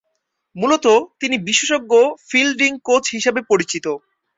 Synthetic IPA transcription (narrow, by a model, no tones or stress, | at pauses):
mulot̪ot̪inibiʃeʃoɡːofilɖiŋkot͡ɕɦiʃebepoɾit͡ɕit̪o